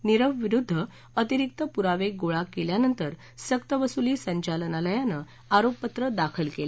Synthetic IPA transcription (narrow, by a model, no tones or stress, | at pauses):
niɾəʋʋiɾud̪ʱːə | ət̪iɾik̚t̪əpuɾaʋeɡoɭakeljanənt̪əɾ | səkt̪əʋəsuliːsəɲt͡ɕalənaləjanə | aɾopːət̪ɾəd̪akʰəlkel